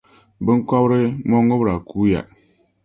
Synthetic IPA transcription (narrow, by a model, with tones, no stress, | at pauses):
bɨ˦ŋ̩˦kɔ˦bɾɨ˦mɔ˦ŋːɨ˦bɾa˨kuː˦ja̰˨